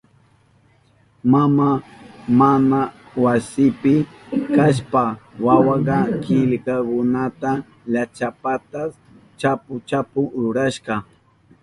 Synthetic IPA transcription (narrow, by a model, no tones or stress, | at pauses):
mamamanawasɪpɪ | kaʃpawawɑɢɑkɪʎkakʊnat̪a | ʎat͡ʃapat̪as | t͡ʃapʊt͡ʃapʊɾʊɾaʃqɑ